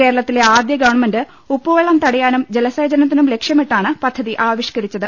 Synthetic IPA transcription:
ke̞ːɾɐɭɐt̪ːile̞aːd̪jɐɡɐʋɐɳmendɨ | upːoːjɐɭɐmt̪ɐɽɐjaːnumd͡ʑelɐsɐːd͡ʑɐnɐt̪ːinumle̞kʂjɐmiʈːaːɳɨpɐd̪ʱːɐðiʔaːʋiɕkɐɾit͡ɕːɐðɨ

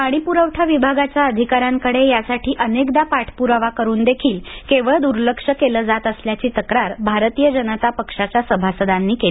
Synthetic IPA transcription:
kaɽ̃ipuɾəʋʈʰjaʋibʱaɡat͡ɕjaəd̪ʱikaɾjaŋkəɽejasaʈʰiːʔənekd̪apaʈʰpuɾaʋakəɾuːnd̪ekʰiːlkeʋəɭd̪uɾləkʂəkeləːd͡zat̪əsljat͡ɕiːt̪əkɾaɾbʱaɾt̪iːjəd͡ʑənət̪apəkʂat͡ɕjasəbʱasəd̪anːiːkeli

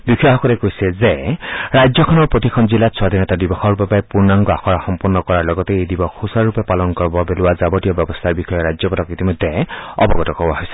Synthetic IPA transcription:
bikʰaɦɔkɔɾɛkojsɛzeɹajd͡zjɔkʰɔnɔɹpɹot̪ikʰɔnzilatsʰwad̪ʱinɔtadibɔxɔɹupɛpajpuɹnaŋɡɔaxʰɔɹaxɔmpɔɹnːɔkɔɹaɹlɔɡɔtɛejdibɔxusaɹupɛpalɔnkɔɹbɔbelʊwazabɔtijɔbjɔbɔst̪ʰaɹbikʰɔjɔɹajzjɔpɔtɔkit̪imɔjd̪ʱːeɔ̰bɔɡɔtɔkɔbaɦɔjsɛ̥

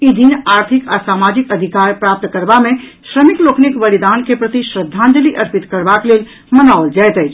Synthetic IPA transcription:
id̪ʱinaːɾt̪ʰikasaːmad͡ʒikəd̪ʱikaːɾpɾap̚t̪kəɾbamẽʃɾəmikloːkʰnikbəlid̪ankepɾət̪iʃɾəd̪ʱːãnd͡ʒəliʔəɾpit̪kəɾbaklel | mənaold͡ʒajt̪əjt͡ʃʰ

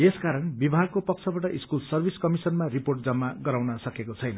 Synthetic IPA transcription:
eskaɾʌnbibʱaɡ̚kopʌkt͡sʰʌbaʈʌʔiskulsʌrbʱiskʌmisʌnmariporʈ̚d͡zʌmːaɡʌɾawnʌsʌkekot͡sʰʌjnʌ

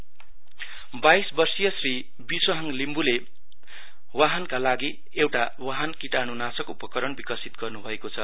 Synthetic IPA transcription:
bajsbʌrsijʌsri | bisʌɦaŋlimbule | waɦankalaɡi | ewʈa | waɦankiʈanunasʌkupʌkʌɾʌnbikʌsit̪̚ɡʌrnubʱʌekot͡sʰʌ

